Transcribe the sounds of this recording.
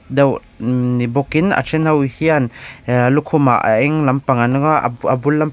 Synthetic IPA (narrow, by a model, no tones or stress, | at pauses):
daw | nibɔkina̰t͡ʃʰenhawhianlukʰuma̰ʔaɛŋlampaŋanŋɔabulːam